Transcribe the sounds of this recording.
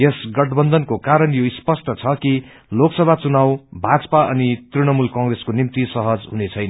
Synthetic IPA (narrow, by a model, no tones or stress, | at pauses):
jesɡʌʈbʌnd̪ʌnkokaɾʌnjoispʌsʈʌt͡sʰʌki | loksʌbʱat͡sunawbʱat͡sʌpaʌnit̪rinʌmulkʌ̃ŋɡreskonimt̪isʌɦʌd͡zɦunet͡sʰʌjnʌ